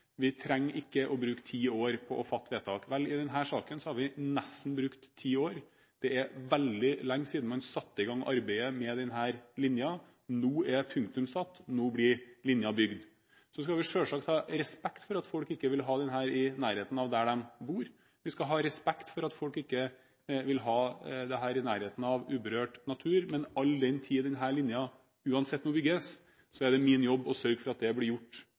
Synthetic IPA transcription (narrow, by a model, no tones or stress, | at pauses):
ʋɪt̪ʰɾɛŋːʔɪkːəʔɔbɾʉːkt̪ʰiːoːɾpʰɔʔɔfɑt̪ʰːʋeːt̪ʰɑːkʋɛlɪd̪ɛnɦæːʂɑːkənsɔhɑɾʋɪnɛst̪ːn̩bɾʉkt̪ʰːiːoːɾ | d̪̥ɛɛɾʋɛld̪ɪlɛŋːsiːd̪n̩mɑnsɑt̪ːəɪɡɑŋːʔɑɾbæɪəmɛd̪ɛnɦæːɾlɪnjɑ | nuːɛpʰʉŋk̚t̪ʉmsɑt̪ːnuːblɪɾlɪnjɑbʏɡd̪ | sɔskɑʋɪʂøːlʂɑk̚t̪ʰhɑːɾɛspɛkt̪fɔɾɑt̪fɔlkɪkːəʋɪlɦɑːd̪ɛnɦæːɾɪnæːɾheːt̪n̩ɑʋd̪æɖɛmbuːɾ | ʋɪskɑɦɑːɾɛspɛkt̪fɔɾɑt̪fɔlkɪkːə | ʋɪlɦɑːd̪ɛɦæːɾɪnæːɾheːt̪n̩ɑʋʉːbəɾøːʈnɑt̪ʰʉːɾmɛnɑlːd̪ɛnt̪ʰiːəd̪ɛnɦæːɭɪnjɑ | ʉːɑnsɛt̪ːnuːbʏɡəs | sɔɛɖɛmɪnjɔbːɔsœɾɡfɔɾɑt̪̚d̪ɛblɪɾjʊʈː